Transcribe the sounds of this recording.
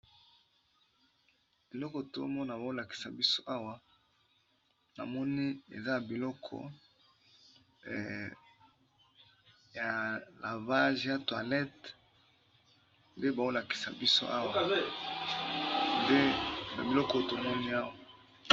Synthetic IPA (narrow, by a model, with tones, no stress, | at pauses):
bi˨lɔ˦kɔ˨to˨o˦mɔ˦na˨ba˨o˦la˨ki̥˨sa̰˨bi˦so˦ʔa˦wa˦ | na̰˨mɔ˦ni˦ḛ˨za˦ja˨bi˨lɔ˦kʰɔ̰˨ | ja˨la˨va˦ʒja˦twa˨lɛ˦t | nde˦ba˨o˦la˨ki̥˨sa˨bi˦so̰˦ʔa̰˦wa˨ | nde˦na˨bi˨lɔ˦kɔ˦o˦to˨mɔ˦ni˦a˦wa˦˨